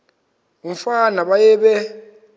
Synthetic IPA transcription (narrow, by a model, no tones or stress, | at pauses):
uɱfanaɓajɛɓɛ